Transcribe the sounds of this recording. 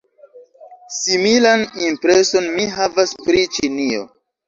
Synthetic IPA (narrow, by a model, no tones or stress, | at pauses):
similanimpɾeso̞nmiɦavaspɾit͡ʃinio̰